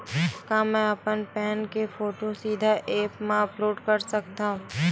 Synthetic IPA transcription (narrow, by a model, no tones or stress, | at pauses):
kãːmɛ̃ɐpənpɛːnkefoːʈosiːd̪ʱaʔeːpmãəploːɖkɐɾsɐk̚t̪ãɦũ